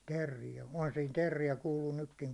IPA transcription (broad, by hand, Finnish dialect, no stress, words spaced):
terːijæ ohɑn siːn terːijæ kuːluː nykːiŋ